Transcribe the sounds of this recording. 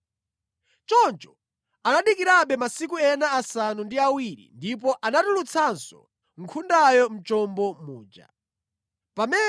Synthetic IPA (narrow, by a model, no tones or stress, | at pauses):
t͡ʃɔnt͡ʃɔ̥ | anaɗikiɾaɓɛmasik̬uɛnaːsanundiawiɾḭndip̬ɔʔanatulut͡sʰansɔ̰ | ŋ̩kʰundajɔm̩t͡ʃɔmbɔmuːd͡ʒa̰ | pamɛ